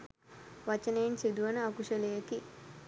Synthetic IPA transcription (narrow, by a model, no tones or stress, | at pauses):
ʋɐt͡ʃɐneːnsid̪uʋɐnɐɐkuʂɐleːɐki